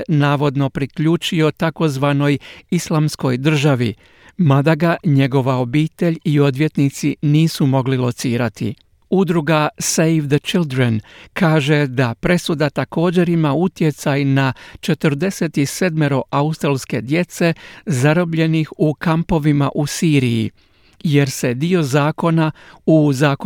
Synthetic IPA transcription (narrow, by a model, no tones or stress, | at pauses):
naːʋo̞d̪no̞pɾikʎuːt͡ʃio̞t̪ako̞zʋano̞jislˠamsko̞jd̪r̩ʒaʋi | mad̪aɡaɲe̞ɡo̞ʋao̞biːt̪e̞ʎio̞d̪ʋje̞t̪nit̪siniːsumo̞ɡlilo̞t̪siːɾat̪ḭ | ud̪ɾuɡasejfd̪ət͡ʃild̪ɾenkaːʒe̞d̪apɾe̞sud̪at̪ako̞ːd͡ʑe̞ɾimaut̪je̞t̪sajnat͡ʃe̞t̪əɾd̪e̞se̞t̪ise̞d̪meɾo̞ʔaust̪ɾalˠske̞d̪je̞t̪se̞zaɾo̞bʎe̞nixukampo̞ʋimaʔusiːɾijḭ | je̞ɾse̞d̪io̞zaːko̞nauzaːk